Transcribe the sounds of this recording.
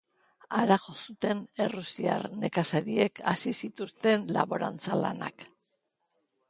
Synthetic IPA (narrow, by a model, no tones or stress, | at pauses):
aɾaʝo̞sut̪e̞ne̞rusia̰ɾne̞kasaɾie̞kasisit̪ust̪e̞nla̰βo̞ɾa̰nt͡sala̰na̰k